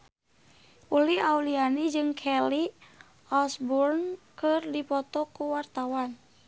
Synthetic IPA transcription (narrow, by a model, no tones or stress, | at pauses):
uliaulianid͡ʒɨŋkʰɛli | ɔlsbɔrnkɨrdipɔt̪ɔkuwart̪awan